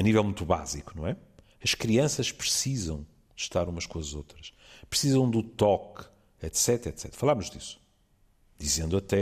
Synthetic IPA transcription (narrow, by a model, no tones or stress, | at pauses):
ɐnivɛlˠmũt̪uβa̰zikunɐ̃w̃ɛ | ɐʃkɾiɐ̃sɐʃpɾɨsizɐ̃w̃ | ʃt̪aɾumɐʃkõɐzot̪ɾɐʃ | pɾsizɐ̃w̃d̪ut̪ɔk | ɛt̪sɛt̪ɾɛt̪sɛt̪ɾɐfɐlˠamuʒd̪isu̥ | d̪̥izẽnd̪uɐt̪ɛ